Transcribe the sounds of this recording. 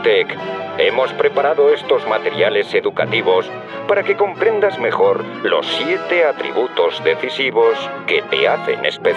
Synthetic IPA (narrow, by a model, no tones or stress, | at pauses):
t̪eke̞mo̞spɾe̞paɾaðoest̪o̞zmat̪e̞ɾjale̞se̞ðuka̰t̪iβ̞o̞s | paɾake̞ko̞mpɾe̞nd̪azme̞xo̞ɾ | lo̞̰sːje̞t̪e̞at̪ɾḭβut̪o̞zðe̞θisiβ̞o̞ske̞t̪e̞̰aθe̞̰ne̞̰spe